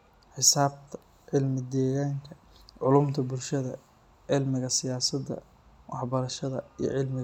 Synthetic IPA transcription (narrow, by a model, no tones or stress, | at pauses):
ħɪsaːb̚t̪ʰɐ̥ | ʕɪlmɪd̪ɛːɣaːŋkʰɐ | ʕʊluːmt̪ʰɐbʊlʃɐðɐ̰ | ʕɪlmɪɣɐsɪjaːsɐd̪ɐ̰ | wʔɑħbɐɾɐʃɐðɐ̰ijɔ̰ʕɪlmɪɣ